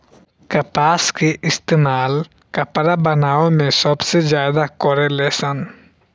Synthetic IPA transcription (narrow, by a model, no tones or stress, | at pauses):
kɐpaːskeʔɪst̪eːmaːl | kɐpɾabənaːomẽsəbsezjaːd̪akɔɾeleːsən